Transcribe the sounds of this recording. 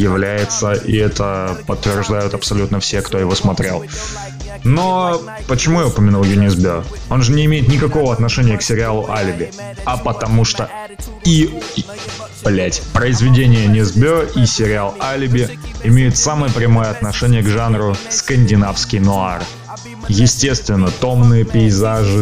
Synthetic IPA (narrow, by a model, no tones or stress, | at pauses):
jɪvlʲæjɪt̪səʔḭɛt̪əpət̪ːvʲɪrʐd̪ajʊt̪ɐpsɐlʲut̪nəfsʲe̞kt̪o̞jɪvo̞smɐt̪ɾʲḛlˠ | no | pət͡ɕɪmujaʊpəmʲɪnulˠjʊnʲɪzbʲo | o̞nʐɨnʲɪɪmʲejɪt̪nʲɪkɐko̞vəɐt̪nɐʂɛnʲɪjəksʲɪɾʲɪalˠʊ̰ʔalʲɪbʲɪ | ɐpət̪ɐmuʂt̪o | i | plʲætʲpɾəɪzvʲɪdʲenʲɪjənʲɪzbʲʔisʲɪɾʲɪalˠalʲɪbʲɪɪmʲejʊt̪saməjəpɾʲɪmo̞jəɐt̪nɐʂɛnʲɪjəɡʐanɾʊskənʲdʲɪnafskʲɪjnʊa̰r | jɪsʲtʲe̞st̪vʲɪnːət̪o̞mnɨjəpʲɪɪzaʐɨ